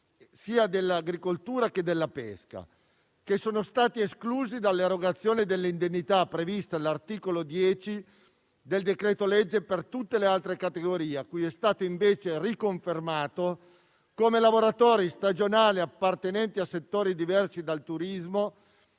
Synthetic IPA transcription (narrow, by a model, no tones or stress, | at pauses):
siːad̪elːaɡɾikolt̪uːɾak̟ed̪ːelːapɛ̰ska̰ | kesoːnost̪aːt̪ieskluːzid̪alːeɾːoɡat̪sːjoːnid̪elːind̪enːit̪apːɾevist̪alart̪iːkolod̪jɛːt͡ʃi | d̪eld̪ekɾeːt̪olɛd͡ʒːepert̪ut̪ːelealt̪ɾekat̪eɡoɾiːeakːujɛst̪aːt̪oiɱveːt͡ʃerikoɱfermaːt̪o | komelavoɾat̪oːɾist̪ad͡ʒonaːliapːart̪enɛnt̪iasːet̪ːoːɾid̪ivɛrsid̪alt̪uɾizmo